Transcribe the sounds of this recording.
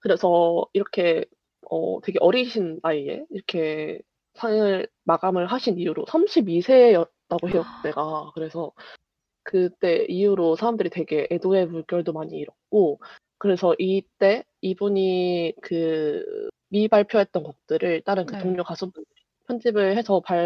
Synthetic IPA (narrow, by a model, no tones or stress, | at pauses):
kɯɾe̞sʰʌiɾʌkʰe̞ | ʌ̰twe̞ɡe̞ʔʌɾiɕʰinaie̞̰iɾʌkʰe̞ | sʰaŋɯɭ | maɡamɯɭɦaɕʰinijuɾo̰sʰamɕʰibisʰe̞jʌt̚t͈aɡoɦeʌk̚t͈e̞ɡakɯɾe̞sʰʌ | kɯt͈e̞ijuɾosʰaɾamdɯɾitwe̞ɡe̞ʔedoe̞muɭkjʌɭdomaɲiːɾʌk̚k͈o | kɯɾe̞sʰʌʔit͈e̞ | ibuɲikɯ | mibaɭpʰjʌɦe̞t̚t͈ʌnɡʌk̚t͈ɯɾɯɭt͈aɾɯnkɯtoŋɲokasʰubun | pʰjʌnd͡ʑibɯɭhe̞sʰʌpa